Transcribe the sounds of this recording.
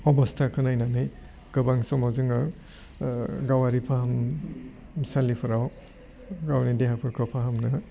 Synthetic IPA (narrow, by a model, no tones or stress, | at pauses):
ɔbɔstʰakʰɯnajnanɯj | ɡ̥ɯbaŋsɔmɔzɯŋa | ɡawaɾipʰaɦam | salipʰɯɾaw | ɡawnideɦapʰɯɾkʰɔpʰaɦɯmna